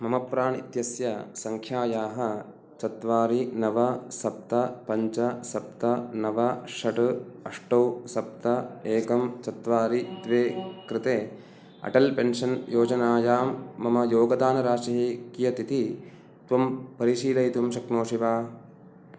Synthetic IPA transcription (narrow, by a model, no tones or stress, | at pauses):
mɐmɐpɾaːɳḭt̪jɐsjɐsɐŋkʰjaːjaːɦɐ | t͡ʃɐt̪ʋaːɾinɐʋɐsɐp̚t̪ɐpɐɲt͡ʃɐsɐp̚t̪ɐnɐʋɐʃɐʈɐʂʈɐwsɐp̚t̪ɐeːkɐmt͡ʃɐt̪ʋaːɾid̪ʋeːkɾɪt̪eː | ɐ̰ʈɐlpenʃɐnjoːd͡ʒɐnaːjaːmːɐmɐjoːɡɐd̪aːnɐɾaːʃɐɦikijɐt̪it̪i | t̪ʋɐmpɐɾiʃiːlɐjit̪ɐmʃɐknoːʂiʋaː